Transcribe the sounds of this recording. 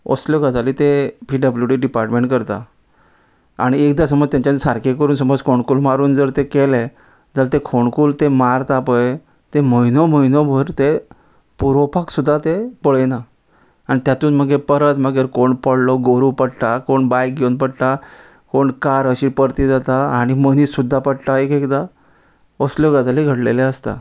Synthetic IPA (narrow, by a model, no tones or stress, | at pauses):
o̰sljɔkad͡zaliːt̪epiːɖəbljuʈiɖipaɾʈmẽɳʈkəɾt̪a̰ | a̰ɽ̃iek̚d̪as̬əmɔd͡zt̪jaɲt͡ɕat͡ssaɾkʰekəɾuːnsəmɔd͡zkʰoɳkuːlmaɾuːnd͡zəɾt̪ekele | d͡zəlt̪ekʰoɳkuːlt̪emaɾt̪apəj | t̪eməinɔməinɔbʱəɾt̪e | puɾopʰaksud̪ʱːat̪epəɭəna | anit̪jat̪uːnm̤əɡepəɾət̪m̤əɡeɾkoɳpəɽlɔɡoɾupəɽʈakoɳbajk̚ɡwnpəɽʈ̪a | koɳkaɾəɕiːpəɾt̪id͡zat̪aaɽ̃iməniːsud̪ʱːapəɽʈ̪aekekd̪a | ʋəsljoɡad͡zaleɡʱəɽleleəst̪a̰